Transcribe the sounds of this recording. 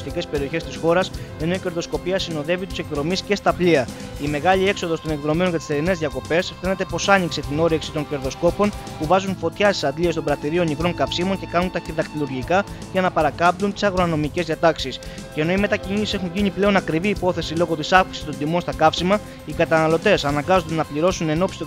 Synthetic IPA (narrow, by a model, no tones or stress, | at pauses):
st̪ice̞spe̞ɾio̞çe̞st̪isxo̞ɾɐse̞no̞ice̞ɾðo̞sko̞piɐsino̞ðe̞vit̪u̥se̞kðɾo̞misce̞st̪ɐpliɐ | ime̞ɣɐlie̞kso̞ðo̞st̪o̞ne̞kðɾo̞mionʝɐt̪i̥st̪e̞ɾine̞zðiɐko̞pe̞sfe̞ne̞t̪e̞po̞sɐɲikse̞t̪ino̞ɾeksit̪o̞ɲce̞ɾðo̞sko̞po̞npuvɐzunfo̞t̪çɐsi̥sɐd̪liest̪obɾɐt̪iɾio̞nikɾo̞ŋkɐfsimo̞nce̞kɐnunt̪ɐçiðɐkt̪iluɾʝikɐ | ʝɐnɐpɐɾɐkɐmpd̪unt̪i̥sɐɣɾo̞ɐno̞mice̞zðiɐt̪ɐksis | ce̞ːno̞ime̞t̪ɐcinisi̥se̞xuɲʝiɲiple̞o̞nɐkɾiviːpo̞θe̞silo̞ɣo̞t̪isɐfksi̥si̥st̪o̞nd̪imo̞nst̪ɐkɐfsimɐ | ikɐt̪ɐnɐlo̞t̪e̞sɐnɐŋɡɐzond̪nɐpliɾo̞sune̞no̞psi̥t̪